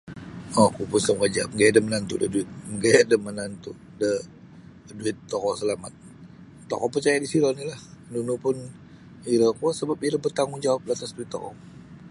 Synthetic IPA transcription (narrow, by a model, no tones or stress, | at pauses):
ɔkupʊnsəŋwad͡ʒamɡajadəmənant̪ṵdə̰duɪt̪̚ɡajadəmənant̪u | də | duɪt̪ːɔkɔsəlamat̪̚ː | ɔ̰kɔpərt͡ʃajadisiɾɔnilahnunupʊn | iɾəkɔsəbapiɾəbərt̪aŋʊŋd͡ʒawap̚lat̪asduɪt̪ːɔ̰kɔ̰